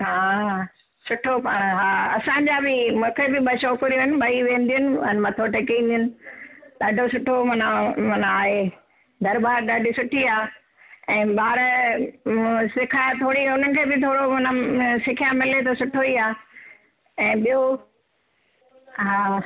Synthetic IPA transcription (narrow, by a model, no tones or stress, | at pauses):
ɦaː | sʊʈʰopaːɽ̃ɦaːɐsãːɲ̆d͡ʑabɪmʊ̃ːkʰebɪɓɐʃoːkəɾijuɦɪnɪ̆ɓɐɦiʋẽːn̆d̪ijʊnɪ̆ənmɐ̃t̪ʰoʈekĩːn̆d̪ijʊnɪ̆ɗaɖʱosʊʈʰomɐnamɐnaːɦe | d̪ɐɾbaːɾɗaɖʱisʊʈʰiaː | ɛ̃ːɓaːɾ | sɪkʰaːjt̪ʰoːɽiʊnənɪ̆kʰeːbɪt̪ʰoːɽomɐnasɪkʰijãmɪlet̪osʊʈʰoiaː | ɛ̃ːɓijo | ɦaː